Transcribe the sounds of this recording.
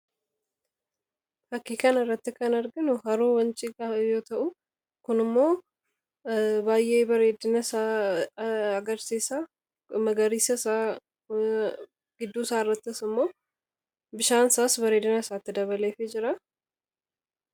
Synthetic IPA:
fɐkːiːkɐnɪrːɐt̪ːɪkɐnɐɾɡɪnʊhɐɾuːwɐnt͡ʃʼɪkɐjo̞ːt̪ɐʔʊ | kʊnɪmːo̞ː | baːjʔeːbɐɾeːd̪ɪnɐsaː | ɐɡɐɾsiːsɐ | mɐɡɐɾiːsɐsa | ɡ̥ɪd̪ːuːsaːɪrːɐt̪ːɪsɪmːo̞ː | bɪʃaːnsaːsbɐɾeːd̪ɪnɐsaːt̪ːɪd̪ɐβɐleːfɪd͡ʒɪɾɐ

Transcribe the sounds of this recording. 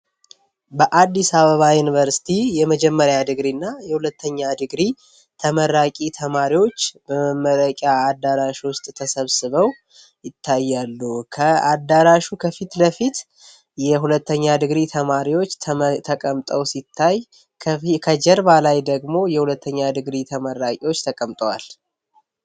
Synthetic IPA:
bəʔad̪ːisaβəβajunivəɾsi̥t̪ʰijɛməd͡ʒɛmːəɾjad̪ɨɡɾinːajɛhulət̪ʰːəɲːad̪ɨɡɾi | t̪ʰəməɾakʼit̪ʰəmaɾiwo̞t͡ʃːbəməmːələkʼjaːd̪ːaɾaʃwʊst̪ʼt̪ʰəsəβsɨβəw | jɪt̪ʰːajːalːukʰəad̪ːaɾaʃukʰəfit̪ləfit̪ | jɛɦulət̪ːəɲːad̪ɨɡɾit̪ʰəmaɾiwo̞t͡ʃːt̪ʰt̪ʰəkʼəmt̪ʼəwsit̪ʰːajʰ | kʰəd͡ʒɛɾbalajd̪əɡmo̞jɛhulət̪ʰːəɲːad̪ɨɡɾit̪ʰəməɾːakʼiwo̞t͡ʃːt̪ʰəkʼəmt̪ʼəwal

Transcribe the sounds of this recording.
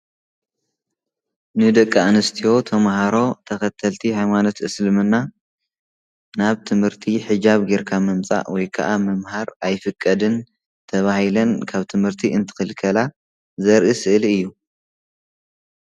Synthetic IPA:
nɨd̪ɐkʼːaanɐst̪ʰijo̞t̪ʰɐmhaɾo̞t̪ʰɐkɐt̪ʰɐlt̪ʰihajmano̞t̪ʔɨslɨmɨnːa | naβt̪ʰɨmhɨɾt̪ʰiħɨd͡ʒaβɡeɾkʰamɐmt͡sʼa̰ʔwɔjkʰɐ̰ʔamɐmhaɾajfɨkʼːɐd̪ɨn | t̪ʰɐβahilɐnkʰaβt̪ʰɨmhɨɾt̪ʰiɨnt̪ʰɨ̥xɨlkʰɐla | zɐɾʔisɨʔliɨjːu

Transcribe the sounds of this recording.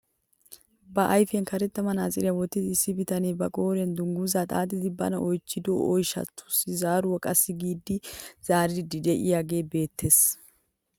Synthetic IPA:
bɐʔɐjfɛnkɐɾɛt̪ːɐmɐnaːzʼɪɾɪjɐwɔt̪ːɪd̪ɪsːɪbɪt̪ɐneːbɐkʼo̞ːɾɛnd̪ʊŋɡuzat̪ʼa̰ːd̪ɪd̪ɪbɐ̰nɐʔɔjt͡ʃːɪd̪o̰ːʔɔjʃɐ̰t̪ʰːʊ̥sɪzaːɾʊwɔkʼɐsːɪɡiːd̪ːɪz̥aːɾɪd̪ɪd̪ːɪd̪ɛʔɪjaːɡe̞ːbe̞ːt̪ːeːs

